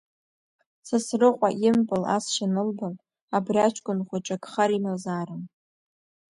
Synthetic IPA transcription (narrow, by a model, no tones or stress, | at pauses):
sasrɨqʷʼaʔɪmpʼɨla̰sʃanɨlbal | abriat͡ʃʷʰʼkʷʼʊnχʷaʈ͡ʂʼakʼχaɾimazaːɾɨm